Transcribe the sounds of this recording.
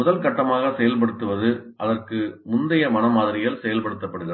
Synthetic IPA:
ʊðɐlkɐʈːɐmaːɣɐsɛjɐlpɐɽɯt̪ːɯʋɐðɯʔɐðɐrkɯmʊnd̪ɐjɐmɐnɐmaːðɪɾɪjɐlsɛjɐlpɐɽɯt̪ːɐpːɐɽɯɣɪɾɐ

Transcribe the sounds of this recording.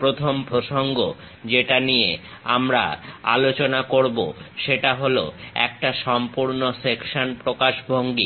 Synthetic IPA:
pɾot̪ʰompɾoʃoŋɡo | d͡ʑeʈanije | amɾa̰a̰lot͡ɕonakoɾbo̰ʃeʈaɦoloɛ̰k̚ʈaʃɔmpuɾnosekʃonpɾokaʃbʱoŋɡi

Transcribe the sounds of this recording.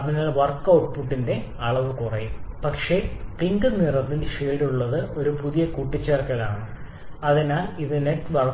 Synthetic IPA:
ɐʋiŋːɐɭʋɐrkːɐwʈpuʈːinde̞ | ɐɭɐʋɨkurɐjumpɐkʂe̞piŋɡɨnirɐt̪ːilʂeːɽuɭːɐðɨo̞ɾupuðijɐkuʈːit͡ɕːaːrkɐɭaːɳɨ | ɐðinaːliðɨneʈːʋɐrɐ

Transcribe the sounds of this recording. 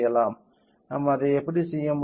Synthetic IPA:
jːɐlaːm | naːmaːðɐɛpːɐɽisɛjːɐm

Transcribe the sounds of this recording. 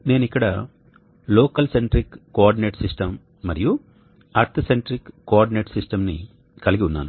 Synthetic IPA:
ne̞ːnikːɐɽɐ | loːkɐlseɳʈɾikːoaːɾɖineːʈsisʈɐmː | ɐɾiju | ɐɾt̪ʰɐseɳʈɾikkːoaːɾɖineːʈsisʈɐmnḭ | kɐliɡiunːa̰ːnu

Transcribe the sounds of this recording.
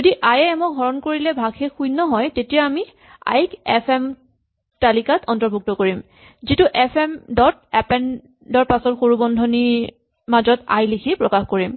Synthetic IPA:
zodiʔajɛːmɔɡʱɔɹɔnkoɹilɛbʱaɡxɛxujnɔɦɔjtetijaami | a̰jkɛpʰɛm | talikatɔntɔɹbʱuk̚tɔkoɹim | zituʔɛpʰɛmdɔtɛpɛn | dɔɹpasɔtxoɹubɔndʱɔni | mazɔta̰jlikʰipɹɔkaxkoɹim

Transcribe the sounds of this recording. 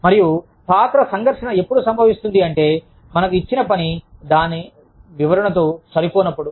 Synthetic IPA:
mɐɾiju | paːt̪ɾɐsɐŋɡʱɐɾʂɐnɐe̞pːuɽusɐmbʱɐʋist̪und̪iɐɳʈe̞ː | mɐnɐk̬uit͡ʃːinɐpɐnid̪aːni | ʋiʋɐɾɐɳɐt̪oːsɐɾipoːnɐpːuɽu

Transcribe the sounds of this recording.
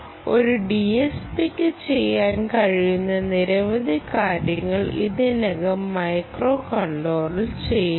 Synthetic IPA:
o̞ɾuɖiespikʲːɨt͡ɕejːaːnkɐɻijunːɐniɾɐʋɐðʱikaːɾjɐŋːɐɭḭðɨneɡɐmːɐjkroːkɐɳɖo̞ːrilt͡ɕe̞j

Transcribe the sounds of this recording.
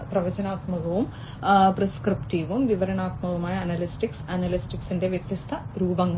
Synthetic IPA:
prɐʋɐd͡ʑɐnaːt̪mɐɣɐʋum | preskripʈiʋumʋiʋɐɾɐnaːt̪mɐʋumaːjɐɐnɐlisʈiksɐnɐlisʈiksinde̞ʋjɐt̪jɐst̪ʰɐɾuːbɐŋ

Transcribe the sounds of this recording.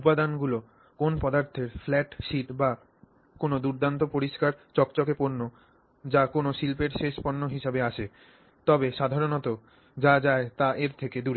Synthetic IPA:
upad̪anɡulo | konpɔd̪aɾt̪ʰeɾflɛʈʃiʈba | konod̪uɾd̪ʱant̪opoɾiʃkaɾt͡ɕɔkt͡ɕokepoɾno | d͡ʑakonoʃilpeɾʃeʃponːoɦiʃabeaʃʰe | t̪ɔbeʃad̪ʱaɾonɔt̪o | d͡ʑad͡ʑaet̪aʔeɾt̪ʰeked̪uɾe

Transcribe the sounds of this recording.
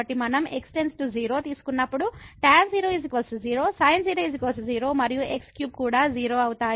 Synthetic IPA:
ɐʈimɐnɐme̞ksʈe̞nsʈuziːɾo̞ːt̪iːsu̥kunːɐpːuɽuʈaːmziːɾoːizikɐlsuziːɾo̞ːsɐjnziːɾoːizikɐlsziːɾo̞ːmɐɾijuʔe̞kskjuːb̚kuːɽaːd͡ʒiːɾo̞ːɐwut̪aːj

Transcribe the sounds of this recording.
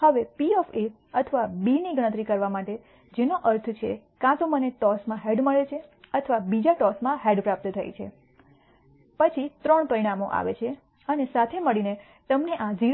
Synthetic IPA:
həʋepiɔfe | ət̪ʰəʋabiniɡəɽ̃ə̃t̪̬ɾikəɾʋamaʈe | d͡ʒenoʔəɾt̪ʰt͡ʃʰḛ | kãt̪oməneʈɔsmãɦeɖməɭet͡ʃʰeət̪ʰəʋabid͡ʒaʈɔsmãɦeɖpɾap̚t̪t̪ʰə̰j̰t͡ʃʰḛ | pət͡ʃʰit̪ɾəɳpəɾiɽamoʔa̰ʋḛt͡ʃʰe | ənesat̪ʰeməɭine | t̪əmneʔãd͡ʒi

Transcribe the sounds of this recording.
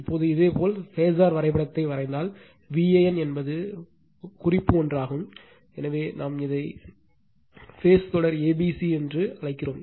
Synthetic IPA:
ɪpːoːðɯɪðeːpoːlfeːs̬aːɾʋɐɾɐɪpːɐɽɐt̪ːɐɪʋɐrɐɪnd̪aːl | ʋiːejɛnɛnbɐðɯ | kʊrɪpːɯɔndraːɣɯm | ɛnɐʋeːnaːmɪðɐɪ | feːst̪ɔɽɐɾeːbiːsiɛndrɯɐɻɐɪkːɪroːm

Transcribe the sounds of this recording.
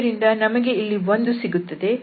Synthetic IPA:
ɾind̪ɐnɐmɐɡe̞ilːiʋo̞nd̪usiɡut̪ːɐd̪e̞

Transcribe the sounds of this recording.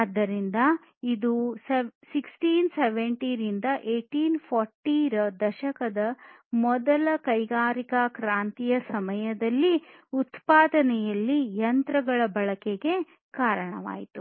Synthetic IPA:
ɐd̪ːɐɾind̪ɐ | id̪ussiksʈiːnseʋeɳʈiːɾind̪ɐʔeːʈiːnpʰɔːɾʈiːɾɐd̪ɐʃɐkɐd̪ɐ | mɔd̪ɐlɐkɐjɡaːɾikɐkɾaːnt̪ijɐsɐmɐjɐd̪ɐlːiut̪paːd̪ɐnɛjɐlːijɐnt̪ɾɐɡɐɭɐbɐɭɐkeɡe̞ | kaːɾɐɳɐ̰ʋa̰ːjit̪u

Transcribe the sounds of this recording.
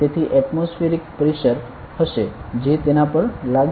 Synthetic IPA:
t̪et̪ʰiʔɛʈmosfiɾik̚pəɾiʃəɾ | həʃed͡ʒet̪enapəɾlaɡ

